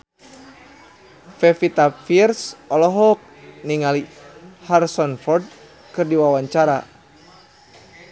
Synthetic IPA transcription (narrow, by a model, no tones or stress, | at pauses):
fɛfit̪afirsɔlɔɦɔk̚niŋaliharsɔnfɔrd̚ | kɨrdiwawaɲt͡ʃaɾa̰